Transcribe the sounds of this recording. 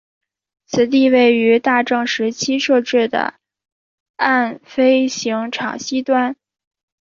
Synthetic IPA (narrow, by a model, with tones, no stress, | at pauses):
t͡sʰɹ̩˨˩t̪i˥˧we˥˩ɪy˧˥t̪a˥˧ʈ͡ʂɤ˥˩ŋʂɻ̩˧˥t͡ɕʰi˥ʂɤ˥˧ʈ͡ʂɻ̩˥˩d̪ə̰˩ | a˥˩nfe˥ɪɕi˧˥ŋʈ͡ʂʰɑ̰˨˩ŋɕi˥t̪wa˥n